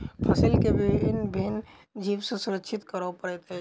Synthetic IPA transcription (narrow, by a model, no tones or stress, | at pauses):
pʰəsɪlkebʱiɪnbʱin | d͡ʒiːbsesʊɾəkʃʰɪt̪kəɾopəɽɛt̪e